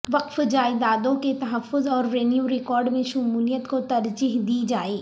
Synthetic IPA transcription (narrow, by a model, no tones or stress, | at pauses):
ʋɐqfd͡ʒaːɪd̪aːd̪õket̪ɐɦəfːʊzɔːɾɾeːnjuɾɪkɔːɾɖmẽʃʊmuːlijət̪kot̪ɐɾd͡ʒiɦd̪id͡ʒaːeː